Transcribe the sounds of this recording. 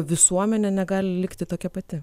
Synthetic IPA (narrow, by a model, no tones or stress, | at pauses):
ʋʲɪsuɔmʲɛnʲɛnʲɛɡɑːlʲɪlʲɪkt̪ʲɪt̪oːkʲɛpɐt̪ʲɪ